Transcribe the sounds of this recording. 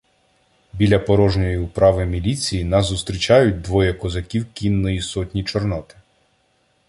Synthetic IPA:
bʲilʲɐpɔɾɔʒnʲɔjipɾɑʋɪmʲilʲit͡sʲijinɐzʊst̪ɾʲit͡ʃɑjʊt̚ʲd̪ʋɔjɐkɔzɐkʲiwkʲinːɔjisɔtʲnʲit͡ʃɔrnɔt̪ɪ̥

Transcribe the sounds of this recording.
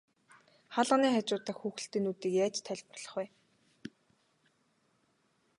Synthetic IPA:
χaɮʁə̆niːχat͡ɕʊːt̪ə̆xxuːxɘ̆ɬt̪eːnut̪iːkjaːt͡ɕt̪ʰːæɮʲpə̆rɮ̥ɞ̆χwæː

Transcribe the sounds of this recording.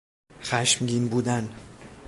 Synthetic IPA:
xæʃmɟiːnbuːd̪æn

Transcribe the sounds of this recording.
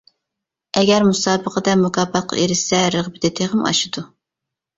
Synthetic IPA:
ɛɡʲɛɾmusɑːbəqʰəd̪ɛmukʰɑːbɑt̪̚qʰɑ̰ʔeɾɪʃsɛɾəʁbɪd̪ɛt̪ʰeʁəmɑ̰ʃɨd̪u

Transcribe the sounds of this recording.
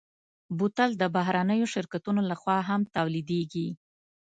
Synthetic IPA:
but̪ald̪əbaɦɾanəjoʃɪɾkat̪unolaxwɑɦamt̪awlid̪eɡi

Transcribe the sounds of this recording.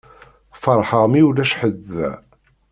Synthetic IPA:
fəɾˤħəʁmiulæʃħəðːæ̰

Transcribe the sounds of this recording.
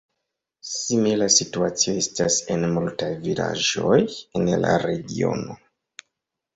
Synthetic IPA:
similasituat͡sio̞e̞stasenmultajvila̰ʒo̞jenla̰ɾe̞ɡio̞̰no̞

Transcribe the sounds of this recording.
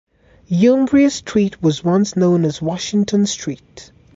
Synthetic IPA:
jũmbɹiɨstʰɹ̥iˑt̚wʌzwʌ̃nsnõʊ̃nəzwɑʃɪ̃ŋtʰə̃nstʰɹ̥iˑt

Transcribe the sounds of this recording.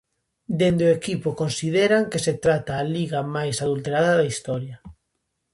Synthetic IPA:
d̪end̪oekipokonsiðeɾaŋkeset̪ɾat̪aːliɣamajsaðult̪eɾaðɐðɐist̪ɔɾjɐ

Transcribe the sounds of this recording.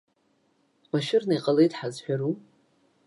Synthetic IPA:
wʷaʃɪrnajqʼalejtʼħazħʷᶣaɾu

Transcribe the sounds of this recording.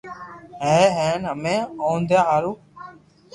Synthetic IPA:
ɦeːɦeːnəmeːoːnd̪jaːɦaːɾuː

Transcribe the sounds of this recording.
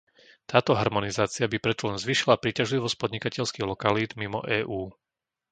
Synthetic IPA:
t̪aːt̪ɔɦaɾmɔnizaːt͡siabipɾɛt͡sɔlɛnzʋiːʃilapɾiːcaʒliʋɔsc̚pɔd̪ɲikacɛʎskiɣlɔkaliːd̪mimɔ̰ʔɛːʔuː

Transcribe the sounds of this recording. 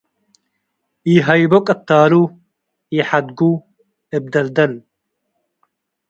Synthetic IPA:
iːɦɐjbokʼɐt̪ːaːɾu | iːħad̪ɡuː | ɪb̚d̪ɐld̪ɐl

